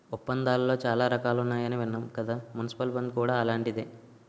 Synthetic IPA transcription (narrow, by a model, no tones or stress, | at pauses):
upːɐnd̪aːllo̞ːt͡ʃaːlaːɾɐkaːlunːaːjɐniʋinːɐmkɐd̪aːmunisi̥pɐlbɐnd̪kuːɽaːɐlaːɳʈid̪eː